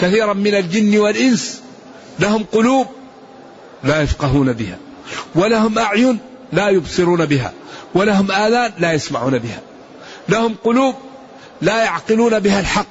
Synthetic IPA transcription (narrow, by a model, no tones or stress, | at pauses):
kaθiːɾˤanmɪnald͡ʒɪnːwalʔɪns | lahʊmqʊluːb̚ | lajafqɑɦuːnabɪha̰ | walahʊmʔaʕjʊn | laːjʊbsˤɨɾuːnabɪɦa̰walaɦʊmʔaːðaːnlajasmaʕuːnabɪha | lahʊmqʊluːb̚ | lajaʕqɪluːnabɪhalħɑqː